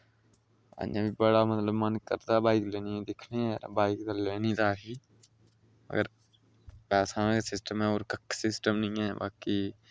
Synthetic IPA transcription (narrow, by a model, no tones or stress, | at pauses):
ə̰ã̰ːbʱiːbəɽaːmət̪ləbmənkə̰ɾt̪aːbaːik̪leːnĩːd̪ɪkʰnẽːbaːikt̪aleːnĩːt̪aːkiː | mə̰ɡəɾ | bɛːsãːkesɪsʈəmɦɛ̃ːoːɾkəksɪsʈəmnəĩːɛːba̰ːki